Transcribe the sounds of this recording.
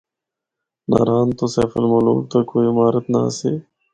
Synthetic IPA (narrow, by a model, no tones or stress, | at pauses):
na̰ːɾaːnt̪osɛːfəlmolo̰ːlt̪akoːimaːɾət̪na̰seː